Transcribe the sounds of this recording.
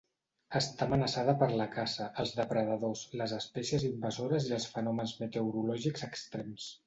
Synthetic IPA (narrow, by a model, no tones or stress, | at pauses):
əst̪amənəsaðəpəɾləkasəʔəlˠzðəpɾəðəðosləzəspɛsjəzimbəzoɾəziəlˠsfənɔmənzmət̪əwɾulɔʒikzəkst̪ɾɛms